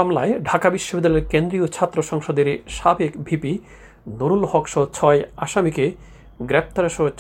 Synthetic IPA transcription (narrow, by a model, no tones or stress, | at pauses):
amlaeɖʱakabiʃːobid̪ːaleɾkend̪ɾiot͡ɕʰat̪ːɾoʃɔŋʃod̪eɾʃabekbʱipi | noɾulhɔkʃot͡ɕʰɔeaʃamike | ɡɾep̚ʰt̪aɾʃo